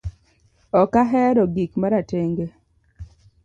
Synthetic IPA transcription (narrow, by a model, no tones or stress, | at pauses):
ɔkaɦɛɾɔɡikmaɾateŋɡe